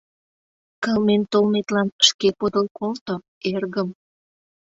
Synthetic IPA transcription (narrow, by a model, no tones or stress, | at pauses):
kəlment̪olmet̪lɑnʃkepod̪əlkolt̪o | erɣəm